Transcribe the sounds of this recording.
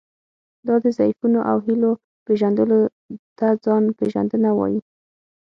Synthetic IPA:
d̪ɑd̪əzajfunoʔa̰wɦilo | peʒand̪əlo | t̪ad͡zɑnpeʒa̰nd̪ənawɑ̰ji

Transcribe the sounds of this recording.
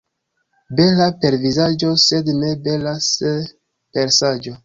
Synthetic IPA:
be̞lape̞ɾvizad͡ʒo̞se̞dne̞be̞lase | pe̞ɾsad͡ʒo̞

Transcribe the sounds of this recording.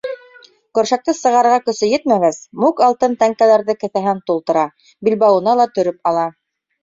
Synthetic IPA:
kɵ̆ɾʃæk̚t̪ɤsɤ̆ʁɑɾʁɑkɵ̆sɵjɘt̪mæɡæsmukɑlˠt̪ɤnt̪æŋkælæɾðɘkɘ̆θæɦɘnt̪ulˠt̪ɤ̆ɾɑ | bilbɑwɤ̆nɑlˠɑt̪ɵ̆ɾɵp̚ɑlˠɑ

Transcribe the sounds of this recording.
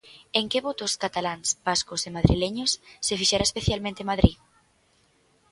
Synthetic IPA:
eŋkeβot̪ʊskat̪alaŋsb̥askosemaðɾḭleɲʊsːefiʃɛɾaespeθjalmẽnt̪emaðɾi

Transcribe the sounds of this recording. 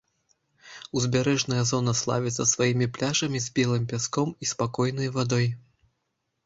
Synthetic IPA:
uzʲbʲaɾɛʐnɐjɐzɔnɐslˠa̰vʲɛt̪sɐsvajimʲiplʲaʐɐmʲizʲbʲɛlˠɨmpʲaskɔmispakɔjnɐjvad̪ɔj

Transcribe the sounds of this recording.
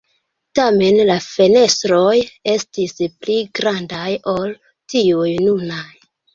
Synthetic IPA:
tame̞nlafe̞ne̞stɾo̞je̞stispliɡɾandajo̞l | tiujnunaj

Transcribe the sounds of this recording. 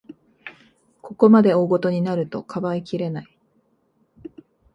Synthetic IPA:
kʰo̞ko̞mad̪e̞oːɡo̞t̪o̞ɲ̟inaɾɯ̟t̪o̞kʰabaikʲiɾe̞nai

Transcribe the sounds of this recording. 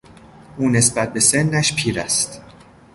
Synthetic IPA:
ʔuːne̞sbæt̪̚be̞se̞nːæʃpʰiːɾæst̪

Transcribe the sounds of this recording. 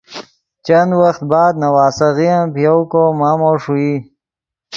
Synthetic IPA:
t͡ʃɐnd̪waxt̪̚bɑːd̪̚nɐwaːsɐɣijapijawkomaːmoʂui

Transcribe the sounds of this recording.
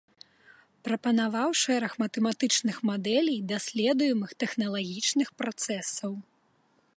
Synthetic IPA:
pɾɐpɐnavawʂɛɾɐxmɐt̪ɛmat̪ɨt͡ʂnɨxmad̪ɛlʲijd̪asʲlʲɛd̪ujɛmɨxt̪ɛxnɐlˠaɣʲit͡ʂnɨxpɾat̪sɛsɐw

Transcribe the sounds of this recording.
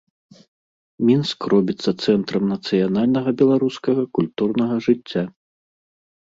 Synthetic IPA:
mʲinskrɔbʲit̪sːɐt̪sɛnt̪ɾɐmnɐt̪sɨjanalʲnɐɣɐbʲɛlˠaɾuskɐɣɐkulʲt̪urnɐɣɐʐɨt͡sʲːa

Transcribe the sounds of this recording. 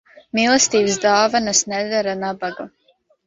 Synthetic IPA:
milˠɛst̪iːbsd̪aːvanasnɛd̪aɾanabaɡu

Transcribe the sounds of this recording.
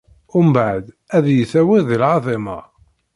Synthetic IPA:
ʊmbaʕd̪ | æðjəθæwæðilʕɑðˤɪmɑ̰

